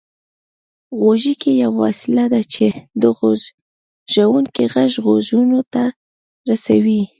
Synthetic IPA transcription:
ɣoʒikejawːɑ̰sɪlad̪at͡ʃed̪əɣoz | ʒ̥awunkeɣaʒɣozunot̪a | ɾasawi

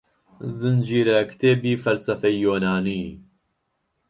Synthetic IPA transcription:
zɨnd͡ʒiːɾɛkʰt̪ʰeːbiːfɐlsɐfɛjoːnaːniː

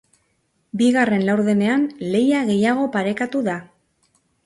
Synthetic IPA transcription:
biɣare̞nlawɾðene̞anle̞jaɣe̞jaɣ̞o̞paɾe̞kat̪uða

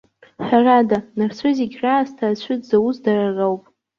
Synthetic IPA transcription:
ħʷᶣaradanart͡sʷʰʊziɡʲraːstʰaːt͡ɕʷʰʏdzawusdararowpʼ

